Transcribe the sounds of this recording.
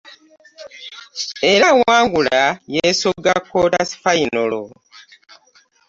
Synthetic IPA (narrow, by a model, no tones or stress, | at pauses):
e̞ɾawaːŋɡulajesoɡakːoɾasi̥fainolo̰